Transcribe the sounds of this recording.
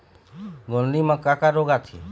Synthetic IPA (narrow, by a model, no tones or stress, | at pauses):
ɡolnimãkakaɾoɡat̪ʰie